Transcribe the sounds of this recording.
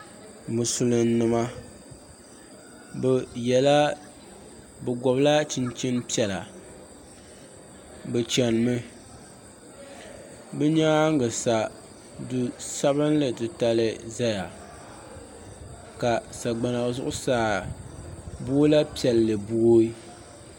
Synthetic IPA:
mɨ˨sʊ˨lɨ˨n˦nɨ˨ma˦ | bjɛ˨la˦ | bɨ˨ɡɔ˨bla˦t͡ʃɪ˦nt͡ʃɪ˦npi˦ɛ˨la˨ | bɨ˨t͡ʃɛ˨n˨mɨ˦ | bɨ˦ɲaː˦ŋ˦ɡɨ˨sa˨ | du˨sa˦βɨ˦nlɨ˨tɨ˨ta˦lɨ˦za˦ja˨ | ka˨sa˨ɡ͡ba˨na˨zʊ˦ʔʊ˦saː˦˨ | bu˦o˦la˦pi˦ɛ˨llɨ˨bu˦o˦i˦

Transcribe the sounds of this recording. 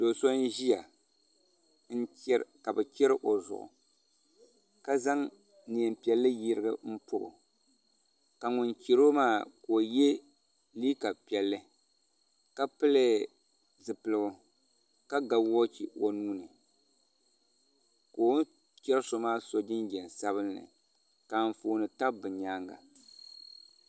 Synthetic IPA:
do˨so˦n˦ʒi˦ja˨ | n̩˦ka˨bɨ˨t͡ʃɛ˦ɾɨ˦ʔo˨zʊ̰˨ʔʊ̰˨ | ka˦za˦ŋ | ni˨ɛ˨mpi˨ɛ˨lːɨ˦ji˦ɾɨ˦ɡɨ˦m̩˦pʊ̰˦˨bʊ̰˨ | ka˨ŋʊ˨nt͡ʃe˨ɾo˦maː˦ko˨je˦ | liː˦ka˨pi˨ɛ˨lːɨ˦ | ka˦pɨ˦lɨ˦ | zɨ˨pɨ˨lɨ˨ɡʊ˨ | ka˦ɡa˨wɔ˦t͡ʃi˨o˨nuː˦nɨ˨ | ko˨˦ | t͡ʃɛ˦ɾɨ˦so˨maː˦so˨d͡ʒɪ˦nd͡ʒɛ˨n˨sa˦βɨ˦n˦nɨ̰˨ | ka˨ɱ˨foː˨nɨ˨ta˦ʔbɨ˨ɲaː˦ŋɡa̰˨

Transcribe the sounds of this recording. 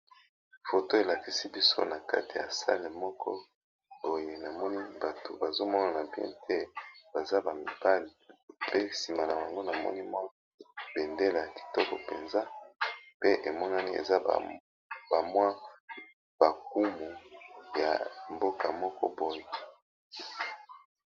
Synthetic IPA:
fo˨to˦e˨la˨ki˨si˦bi˦so̰˦na˨ka̰˦ti˨ja̰˨sa̰˦le˨mɔ˦kʰɔ̰˦ | bo˨je˨na˨mɔ˦ni˦ba˨to˨ba˨zo˦mɔ˦na˨na˨bḭ˦tʰe˦b̥a˨za˦ba˨mi˨b̥a˦li˨pe˦si˨ma˨la˨ba˨ŋɡo˦na˨mɔ̰˦ni˦mwa˦ | b̥e˨nde˦la˨a˨ki̥˨tɔ˦kɔ˨pe˨nza˦pe˦ʔe˨mɔ˦na˦ni˦ḛ˨za̰˦˨ | ba˨mwa˦ | b̥a˨k̚u˦mu˨ja̰˨mbo˦ka˨mɔ˦kɔ̰˦bo˨je˨

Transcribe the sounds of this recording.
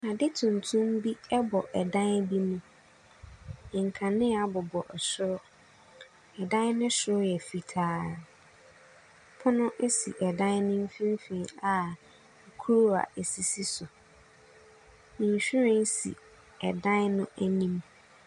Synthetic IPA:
nã˨dɪ˦tʰʊ̃˨n˨tʰũ˦mbi˦ɛ˦bɔ˨ʔɛ˨dã˦n˦bi˦nʊ̃˦˨ | ŋ̩˨kʰã˨nɪ̃˦a˨bɔ˨bɔ˨ʔɛ˨sʊ˦ɾɔ˦ | ɛ˨dã˦nnʊ̃˦sʊ˦ɾɔ˦jɛ˨fi˨tʰaː˦˨ | pʰʊ˦nʊ̃˦ʔe˦sḭ˨ʔɛ˨dã˦nnʊ̃˦m̩˦fĩ˦m˦fĩ˨˦a˨ | kʰu˦ɾo˦a̰˨ɛ˨si˨si˦sʊ˨ | mĩ˨ɕᶣu˦ɾɛ̃˦n˦sḭ˨ | ɛ˨dã˦nnʊ̃˦ʔæ˦nĩ˦m

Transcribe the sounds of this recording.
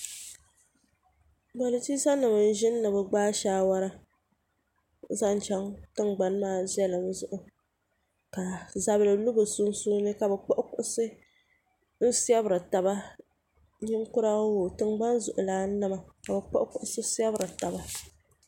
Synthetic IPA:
ba˨lɨ˨ti˦sa˦nɨ˨mɨ˨n̩˦ʒɪ˦nː˦ɨ˨bɨ˨ɡ͡baː˦ʃaː˦wa˦ɾa˦ | za˦n˦t͡ʃɛ˦ŋtɨ˦ŋɡ͡ba˨nmaː˦˨zɛ˦lɨ˨mzʊ˦ʔʊ˨ | ka˨za˨bɨ˦lɨ˨lʊ˦bɨ˨sʊ˦n˦suː˦nɨ˦ka˨bɛ˨k͡pɔ˦ʔkʊ˦ʔʊ˦sɨ˦ | n̩˦si˦ɛ˦bɨ˨ɾɨ˨ta˨ba˦ | ɲɪ˦ŋkʊ˦ɾa˦wo˨tɨ˦ŋɡ͡ba˦nzʊ˨ʔʊ˨laː˨˦nɨ˦ma˨ka˨bɛ˨k͡pɔ˦ʔʊ˦kʊ˦ʔʊ˦sɨ˦si˦ɛ˦bɨ˨ɾɨ˨ta˨ba˦

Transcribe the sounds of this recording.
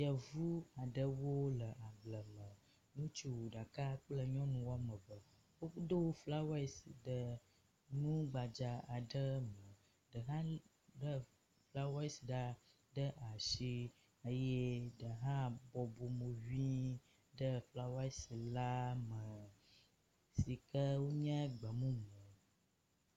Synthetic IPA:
jə˨vu˦a˨ɖə˦wo˦lə˨ʔa˨ɡ͡blə˨mə˨ | nũ˦t͡ʃi˦wo˨ɖa˨ka˦k͡plə˦ɲɔ̃˦nũ˨wa˦mə˨bə˨ | wo˦də˦wo˦fla˦wi˨˦sɖə˨ | nũ˦ɡ͡ba˨d͡ʒa˨a˨ɖə˦mə˨ | ɖə˨ɦã˦ | ɖə˦ | fla˦wa˦i˦si˨ɖa˦ | ɖə˦ʔa˨ʃi˦ | ə˦je˦ɖə˨ɦã˦bɔ˨bo˨mo˨vi˦ | ɖə˦fla˦wa˦i˦si˨la˦mə̃˨ | si˨kə˦wo˦ɲə̃˦ɡ͡bə˨mũ˦mə̃˨

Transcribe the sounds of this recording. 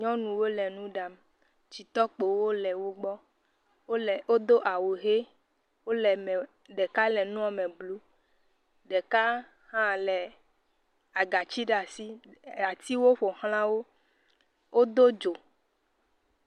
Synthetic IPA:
ɲɔ̃˦nũ˨wo˦lɛ˨nũ˦ɖa˨m | t͡ʃi˨t̪ɔ˦k͡po˨wo˦lɛ˨wo˦ɡ͡bɔ˦˨ | wo˦d̪o˦ʔa˨wo˨ɦe˦ | wo˦lɛ˨m˨ | ɖɛ˨ka˦lɛ˨nũ˦a˨mɛ̃˨blu˦ | ɖɛ˨ka˦ | hã˦lɛ˨ | a˨ɡa˨t͡ɕi˦ɖa˨si˦a˨t̪i˦wo˦ɸo˨xl̃ã˦wo˦ | wʔo˦d̪o˦d͡ʒo˨

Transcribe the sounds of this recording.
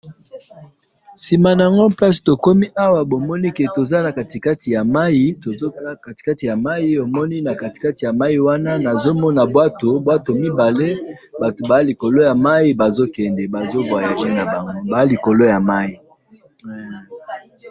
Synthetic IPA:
si˨ma˨na˨a˨ŋɡo˦pa˦si̥˨to˨ko˦mi˦ʔa˦wa˨bo˨mɔ˦ni˦ke˨to˨za˦na˨ka˨ti˨ka˦ti˨ja˨ma˦ji˦to˨o˦˨ka˨ti̥˨ka˦ti˨ja˨ma˦i˦o˨mɔ˦ni˦na˨ka˨ti̥˨ka˦ti˨ja˨ma˦i˨wa˦na˦na˨zo˦mɔ˦na˨bwa˦to˨bwa˦to˨mi˦ba˨le˦ | ba˨to˨ba˨ja˦li˨ko˨lo˦ja˨ma˦i˦ba˨zo˦kɛ˨ndɛ˨ba˨zo˦bwa˨ja˨a˦na˨ba˨ŋɡo˦ba˨˦li˨ko˨lo˦ja˨ma˦i˨

